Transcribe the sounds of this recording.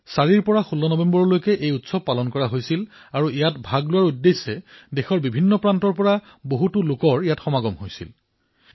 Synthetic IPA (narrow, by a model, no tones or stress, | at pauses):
saɹiɹpɔɹaxulːɔnɔbɛmbɔɹɔlojkɛʔejutsɔb̚pːalɔnkɔɹaɦojsil | aɹuijatbʱaɡlʊwaɹudːejsɛdexɔɹbibʱinːɔpɹantɔɹpɔɹa | boɦutʊlʊkɔɹijatxɔmaɡɔmɦojsḭl